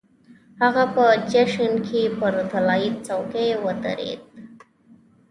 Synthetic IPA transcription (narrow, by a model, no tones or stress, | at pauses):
haɣapət͡ʃeʂənkʰipəɾd̪ʱəlait͡sawkewət̪ə̰ɾḛt̪̚